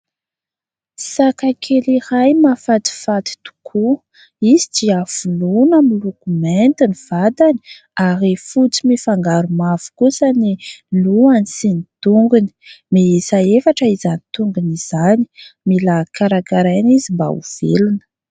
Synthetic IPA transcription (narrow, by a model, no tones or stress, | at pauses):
sakakʰelirajmafat̪i̥fat̪i̥t̪u̥kʰu | izidiafulunamilukument̪iniv̥ad̪ani̥ | aɾifut͡simifaŋɡaɾumavu̥kusaniluanisinit̪uŋɡuni̥meisaefaʈ͡ʂəizanit̪uŋɡuniz̥ani̥milakaɾakaɾajanizimba̰ṵv̥ḛlunə̥